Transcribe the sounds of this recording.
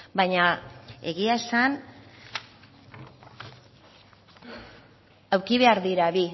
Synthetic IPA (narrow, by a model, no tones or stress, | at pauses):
baɲae̞ɣiae̞san | awɾkiβe̞aɾðiɾaβi